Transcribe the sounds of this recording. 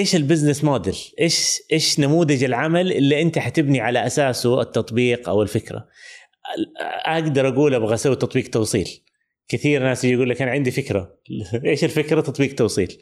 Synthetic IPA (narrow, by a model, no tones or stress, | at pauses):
ʔeːʃɪlbɪznɪsmoːd̪ɪlʔeːʃʔeːʃnamuːðɪd͡ʒɪlʕamalʔɪlːiʔɪnt̪aħat̪ɪbniʕalaʔasaːsuɪt̪ːɑt̪ˤbiːqʔa̰wɪlfɪkɾˤa̰ | ʔaɡd̪ɑɾˤʔaɡuːlabɣasawt̪ɑt̪ˤbiːqt̪ɑwsˤḭːl | kɪθiːɾnaːsjd͡ʒjaɡuːlːakaːnʕɪnd̪ifɪkɾa | ʔeːʃɪlfɪkɾat̪ɑt̪ˤbiːq̚t̪ɑwsˤiːl